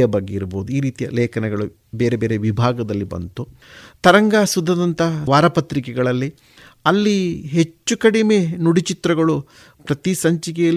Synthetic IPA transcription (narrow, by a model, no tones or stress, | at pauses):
jɐbɐɡːeiɾbo̰ːd̪uiːɾiːt̪ijɐ̰lɛːkʰɐnɛɡɐɭu | beːɾebeːɾeʋibʱaːɡɐd̪ɐlːibɐ̰nt̪u | t̪ɐɾɐŋɡaːsud̪ʱːɐd̪ɐnt̪ɐʋaːɾɐpɐt̪ɾikɛɡɐɭɐlːi | ɐlːiɦet͡ʃːukɐɽimenuɽit͡ʃit̪ɾɐɡɐɭu | pɾɐt̪isɐɲt͡ʃikɛjɐl